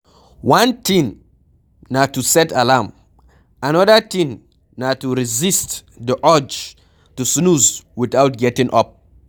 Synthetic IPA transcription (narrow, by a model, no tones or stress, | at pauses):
wãntĩnː | atːusɛtalam | anɔdətĩnː | atuɹizist | dəʔɔd͡ʒ | tusnuzwitawt̚ɡɛtĩŋʔɔp̚